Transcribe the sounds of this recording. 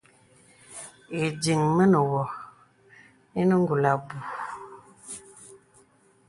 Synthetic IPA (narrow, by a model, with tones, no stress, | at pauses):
e˨di˨ŋmə˦nə˨wɔ˨ | e˦nə˦ŋ˦ɡu˨la˨bu˨